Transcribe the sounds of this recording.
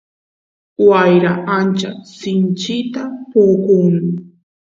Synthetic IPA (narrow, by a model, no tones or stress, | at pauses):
wajɾaʔant͡ʃasɪnt͡ʃɪt̪apoːkʊŋnɪ